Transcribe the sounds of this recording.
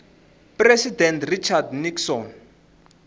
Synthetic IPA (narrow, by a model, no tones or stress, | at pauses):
presidɛntrit͡ʃʰardniksɔn